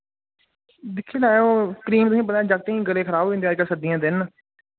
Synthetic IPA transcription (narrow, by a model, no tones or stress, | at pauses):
d̪ɪkʰːiːlaːjoːkɾiːmt̪ʊsĩːpənaːd͡ʒaɡ̚t̪eːɦĩːɡəleːkʰəɾaːbːẽnd̪eːaːd͡ʒkəlsəd̪ijãːd̪ɪn